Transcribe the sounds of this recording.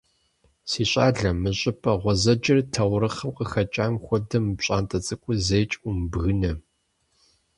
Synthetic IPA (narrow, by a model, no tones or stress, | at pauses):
siːɕʼaːɮɐmɨɕʼɪpʰʼɐʁʷɔzɐd͡ʒɐrtʰɐwʷɾɨχɐmqəxɐt͡ʃʼaːmxʷɔdɐmɨpɕʼaːntʰʼɐt͡sʼɨkʷʼʊzejt͡ʃʼumbɣɨnɐ